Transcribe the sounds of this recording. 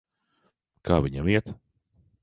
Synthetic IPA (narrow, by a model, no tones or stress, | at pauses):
kʰaːvʲiɲamiɛt̪